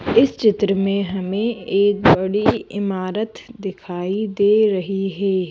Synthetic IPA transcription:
ɪst͡ʃɪt̪ɾəmẽɦɐmẽeːkbɐɽiɪ̰maːɾət̪d̪ɪkʰaːid̪eːɾɐɦiɦɛː

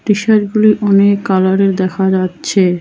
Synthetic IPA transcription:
pɾiʃaʃɡuliʔɔnekːalaɾeɾd̪ɛkʰad͡ʑatːɕʰe

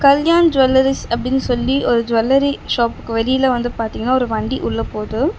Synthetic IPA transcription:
kɐljaːnd͡ʒʊʋɐlːɐɾɪsɐpːɐɽɪnːɯsɔlːiʔɔɾɯd͡ʒʋɐlːɐɾiʂaːpɯ̥kːɯʋɛlɪjɐlɐʋɐnd̪ɯpaːɾt̪iŋɡɐnːaːɔɾɯʋɐɳɖiʔʊɭːɐpoːðɯ

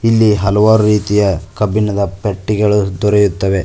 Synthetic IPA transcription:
ilːiɦɐlɐʋaːɾuɾiːt̪ijɐkɐbʱinɐd̪ɐpeʈːiɡɐɭud̪ɔɾejut̪ːɐʋe̞

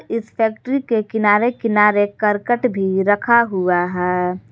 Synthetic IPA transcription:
ɪspʰɛːkʈəɾikekɪnaːɾekɪnaːɾekəɾkəʈbʱiɾəkʰaɦuaɦɛː

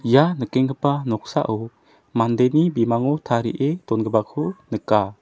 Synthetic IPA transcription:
janəkɛŋkəpanɔk̚sa̰ʔɔ | mand̪enibimaŋɔt̪ʰaɾḭʔet̪ɔnɡəbakʰunəka

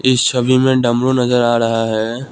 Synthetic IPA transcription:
ɪsʃɐbimẽɖɐmɾonɐzəɾaːɾɐɦaɦɛː

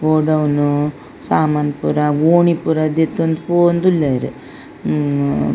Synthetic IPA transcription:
ɡoːɖɐwnu | saːmaːnpuɾaɡoːɳipuɾad̪et̪ːond̪pond̪ulːeiɾḛ

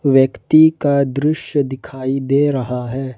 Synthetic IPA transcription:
ʋjɐkt̪ikad̪ɾɪʃjəd̪ɪkʰaːid̪eːɾɐɦaɦɛː

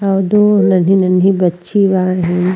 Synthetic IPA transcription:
ɐʋd̪onɐnɦĩnɐnɦĩbɐtːʃʰiʋaːɦin

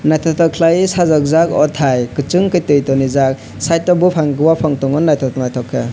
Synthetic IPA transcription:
najtʰɔtʰɔkʰlajsazɔk̚zakɔtʰajkɯt͡ʃɯŋkɯjtɯjtɔnizak̚ | sajtɔbupʰaŋɡɯwapʰaŋtɔŋɔnːajtʰɔtɔŋnajtʰɔkʰːɯ

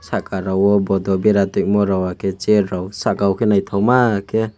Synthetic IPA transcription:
sakaɾawɔbɔd̪ɔbeɾat̪ik̚mɔɾawakʰet͡ʃeɾawsakawkʰenajt̪ʰawmake

